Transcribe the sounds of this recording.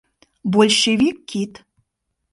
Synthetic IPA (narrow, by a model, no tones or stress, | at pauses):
bɔlʲʃevʲikːit̪